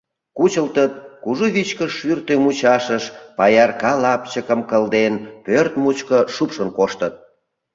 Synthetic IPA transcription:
kut͡ɕəlt̪ət̪̚kuʒuβit͡ɕkəʃʃyrt̪ømut͡ɕɑʃəʃpɑjɑrkɑlɑpt͡ɕəkəmkəld̪enpørt̪mut͡ɕkəʃupʃənkoʃt̪ət̪̚

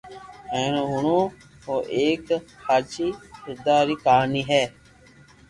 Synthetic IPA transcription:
eːnoɦʊɳõː | ɦoːʔeːkhaːt͡ʃiːsʊd̪aːɾiːkaːniːɦɛː

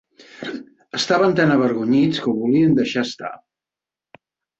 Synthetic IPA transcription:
əst̪aβənt̪anəβ̞əɾɣuɲit͡skəwβuliənd̪əʃaəst̪a̰

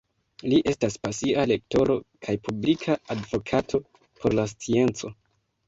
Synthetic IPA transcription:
liʔe̞staspasiale̞k̚to̞ɾo̞kʰajpublikʰaːdvo̞kʰatʰo̞ | pʰo̞ɾlas̬t͡sie̞nt͡so̞

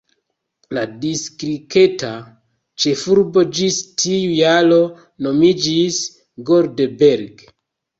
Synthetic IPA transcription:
ladiskɾike̞ta | t͡ʃe̞fuɾbo̞d͡ʒistiujalo̞ | no̞mid͡ʒis | ɡo̞ɾdebeɾɡ

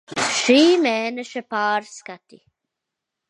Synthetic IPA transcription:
ʂiːmɛːnəʃəpɑːɾskat̪i

